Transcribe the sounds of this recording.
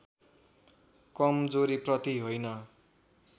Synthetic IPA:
kʌmd͡zoɾiprʌt̪iɦojnʌ

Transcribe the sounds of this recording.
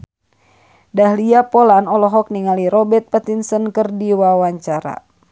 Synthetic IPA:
dahliapɔlanɔlɔɦɔk̚niŋaliɾɔbɛt̪̚pət̪insənkərdiwawaɲt͡ʃaɾa̰

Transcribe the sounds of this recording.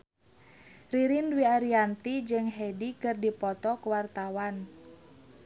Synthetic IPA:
riɾinwiaɾiant̪id͡ʒɨŋɦɛdikɨrdipɔt̪ɔkuwart̪awan

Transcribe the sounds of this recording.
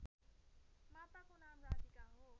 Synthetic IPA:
maːt̪akonaːmɾaːdikaɦo

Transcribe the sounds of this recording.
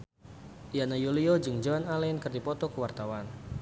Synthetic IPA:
ianajuliɔd͡ʒɨŋd͡ʒaanalɛnkɨərdipɔt̪ɔkəwart̪awan

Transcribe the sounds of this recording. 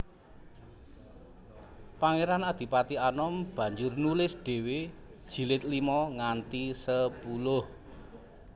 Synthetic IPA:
paŋeɾanad̪̥i̤pat̪ianɔmb̥ä̤ɲd͡ʒʊrnulɪsɖ̥e̤we | d̥ʒ̥i̤lɪt̪̚limɔŋant̪isəpulʊh

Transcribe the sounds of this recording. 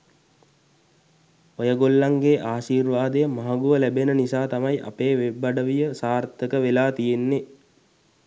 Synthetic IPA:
ojəɡolːaŋɡeʔaːʃiːrʋaːd̪əjəmaɦaɡuʋəlæbenənisaːt̪amɐjʔa̰peːʋebːaɖəʋijəsaːrt̪əkəʋelaːt̪ijenːe

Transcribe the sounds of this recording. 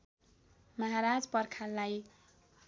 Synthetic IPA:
mʌɦaɾad͡zpʌrkʰalːaj

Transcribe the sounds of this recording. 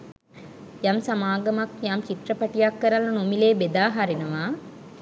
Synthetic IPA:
jamsamaːɡɐmakjamt͡ʃiʈrɐpɐʈijakːəɾalːɐnomileːbed̪aːɦaɾinɐʋaː

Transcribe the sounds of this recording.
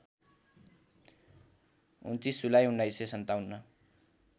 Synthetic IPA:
ṵnt͡s̪isulajɦunːʌisesʌnt̪awnːʌ

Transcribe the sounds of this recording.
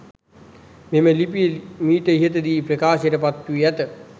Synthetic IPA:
meməlipijəmiːʈ̪əiɦət̪əd̪iːprɐkaːsjeɾəpat̪ːuʋiæt̪ə

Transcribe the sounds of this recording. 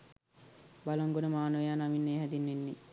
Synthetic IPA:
baloŋɡonəmaːnojaːnaminːeːɦɛd̪inːenːi

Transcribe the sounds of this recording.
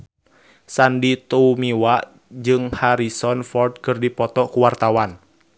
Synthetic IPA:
sandit̪uumiwaʔ | d͡ʒɨŋhaɾisɔnfɔrd̪̚kɨrdipɔt̪ɔkuwart̪awan

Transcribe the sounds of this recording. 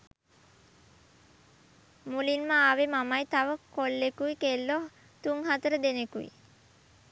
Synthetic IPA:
mulinməaʋemamajt̪aʋəkolːekuikelːo | t̪uŋɦat̪əɾəd̪enekuʋḭ

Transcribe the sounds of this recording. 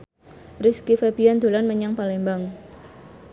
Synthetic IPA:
riskifeb̥iand̪̥o̤lanməɲaŋpalembaŋ

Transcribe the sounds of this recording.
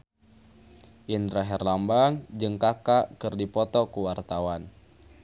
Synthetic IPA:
ʔinɾaɦɛrlambaŋd͡ʒɨŋkakakɨrdipɔt̪ɔkuwart̪awan

